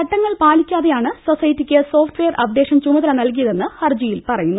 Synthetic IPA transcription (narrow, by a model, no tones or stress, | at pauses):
kɐʈːɐŋːɐɭpaːlikʲːaːðejaːɳɨsosɐjɐtːikʲːɨso̞ːfʈʋejɐrɐbd̪eːʂɐmt͡ɕumɐðɐlɐnɐlkijɐðe̞nːɨhɐrd͡ʑijilpɐrɐjunːu